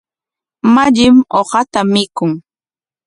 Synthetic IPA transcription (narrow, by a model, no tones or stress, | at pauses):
maʎɪmohɑt̪amɪkʊŋ